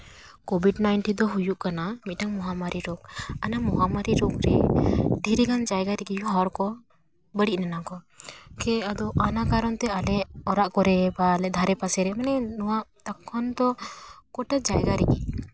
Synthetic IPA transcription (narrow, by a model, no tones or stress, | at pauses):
kobʱiɖnajɳʈind̪ɔɦujuʔkanamit̪̚ʈaŋmɔɦamaɾiɾɔk̚anamɔɦamaɾiɾokɾɛɖʱiɾiɡand͡ʒajɡaɾɛkiɦɔɾkɔ | bəɽic̚nanakɔ | kɛad̪ɔʔanakaɾɔnt̪ɛalɛʔɔɾaʔkɔɾɛbaːlɛd̪ʱaɾɛpasɛɾɛmanɛnɔwaʔt̪akʰːɔnd̪ɔkɔʈad͡ʒajɡaɾɛki